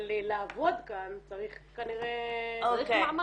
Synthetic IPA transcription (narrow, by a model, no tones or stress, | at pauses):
lilaːvo̞d̪kant͡saʁiχkaniʁeoaikema